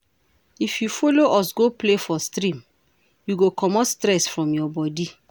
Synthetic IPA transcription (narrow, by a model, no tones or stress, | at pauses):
ifjufoloʔɔsɡoplefɔstɾĩm | juɡokʰɔmɔtstɾɛsfɹɔ̃mjɔbɔdi